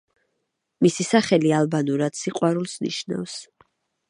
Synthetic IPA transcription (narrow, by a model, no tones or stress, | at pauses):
misisaχɛlialˠbanuɾad̪̥siqʼwaɾulˠsnḭʃna̰fs